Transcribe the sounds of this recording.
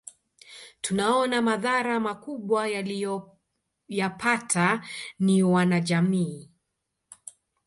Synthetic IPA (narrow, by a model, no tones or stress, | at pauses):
tunaɔnamaðaɾamakuɓwajaliɔ | japʰatʰaniwanaʄamiː